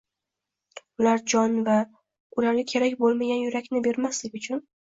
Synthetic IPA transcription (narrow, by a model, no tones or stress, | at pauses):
ʊlaɾd͡ʒɒnva | ʊlaɾɡʲakʲʰe̞ɾakʲbolˠmaɡʲanjʊɾakʲnɪbe̞ɾmaslɪɡʲʊt͡ʃʰʊn